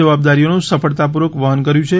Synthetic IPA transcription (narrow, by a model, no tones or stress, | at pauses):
əʋab̚d̪aɾijonũsəfəɭt̪ap̬uɾʋəkʋəɦənkəɾjũt͡ʃʰe